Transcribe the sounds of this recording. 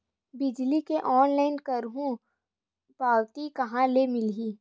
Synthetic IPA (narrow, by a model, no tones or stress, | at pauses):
bɪd͡ʒlikeʔɔːnlaːɪnkɐɾɦũ | paːwt̪ikɐɦãlemɪlɦiː